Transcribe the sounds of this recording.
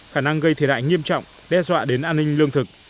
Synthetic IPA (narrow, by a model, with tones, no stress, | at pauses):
xaː˧˩na˧ŋɣə˧jt̪ʰe˧˩ɗa̰ː˧˨jŋi˧əmt͡ɕɔ̰˧˨wŋ͡m | ɗɛ˧zwa̰ː˧˨ɗe˨˦nʔaː˧nːï˧ŋ̟lɨ˧əŋt̪ʰɨ˨˩k̚